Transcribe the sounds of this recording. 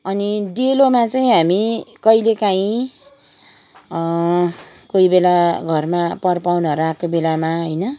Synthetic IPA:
ʌnid̪elomat͡saĩɦamikʌjlekaĩ | koibelaɡʱʌrmapʌrpawnʌɾakobelamaɦojnʌ

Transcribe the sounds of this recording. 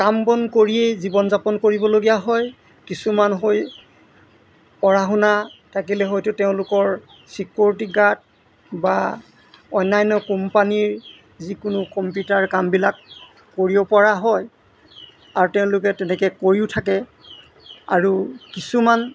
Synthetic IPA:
kambɔnkoɹiejzibɔnzapɔnkoɹibɔloɡijaɦɔj | kisumanɦoj | pɔɹaɦʊnatʰakilɛɦojtʊteʊ̃lʊkɔɹ | sikuɹtiɡad̚ | ba | ɔjnajnɔkɔmpaniɹ | zikʊnʊkɔmpjutaɹkambilakː | oɹibɔpɔɹaɦɔj | aɹuteʊ̃lʊkɛtɛnɛkɛkoɹiʊtʰakɛ | a̰ɹukisuman

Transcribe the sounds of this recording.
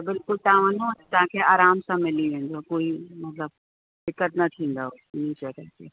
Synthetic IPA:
bɪlkʊlt̪aʋə̃nõt̪ɐɦãkʰeaːɾaːmsãmɪliẽnd͡ʒ̪okoːimɐt̪ləb̚ | d̪ɪkːət̪nɐt̪ʰĩːn̆d̪ao | nĩt͡ʃəkəte

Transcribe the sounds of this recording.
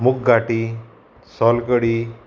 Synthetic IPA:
mukɡaʈi | sɔlkəɽiː

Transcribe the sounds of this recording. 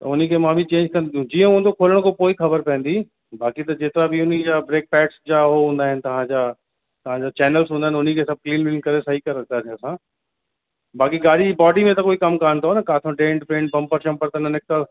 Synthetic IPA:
t̪ɐʊnikemãbʱit͡ɕẽːɲd͡ʒkɐnd̪ĩd͡ʑiːə̃ɦũːnd̪okʰoːləɽ̃kopoːikxɐbəɾpɛ̃ːn̆d̪iː | baːkit̪ɐd͡ʑeːt̪ɪɾabʱiʊnid͡ʑabɾeːk̚pɛːʈsd͡ʑaɦoɦũːnd̪aːɦɪnɪ̆t̪ɐɦãd͡ʑaː | t̪ɐɦãd͡ʑat͡ɕɛːnəlsɦũːnaɦɪ̃nʊnikesɐb̚kliːnɾɪŋkɐɾesɐɦikɐɾət̪at̪ʰeɐsãː | baːkiɡaːɽid͡ʑibɔːɖimẽt̪ɐkoːikɐmkaːnt̪aɦonɐkaːt̪ʰõɖẽːɳʈpẽːɳʈ̚pɐ̃mpəɾʃɐ̃mpəɾt̪anɐnɪk̚t̪a

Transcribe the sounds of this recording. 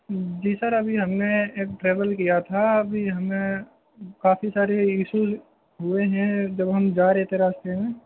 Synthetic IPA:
d͡ʒiːsəɾɐbʱiɦɐmneeːk̚ʈɾeːʋəlkijat̪ʰaɐbʱiɦɐmẽ | kaːfisaːɾeiːʃuz | ɦʊeɦɛ̃d͡ʒɐbɦɐmd͡ʒaːɾeːt̪eɾaːst̪eɦɛ̃ː

